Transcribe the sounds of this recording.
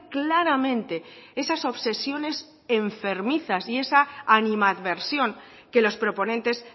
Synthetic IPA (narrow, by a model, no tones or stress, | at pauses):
klaɾamẽ̞nt̪e̞e̞saso̞βse̞sjo̞ne̞s | eɱfe̞ɾmiθasie̞saːnĩmaðβe̞ɾsjo̞ŋ | ke̞lo̞spɾo̞po̞nẽnt̪e̞s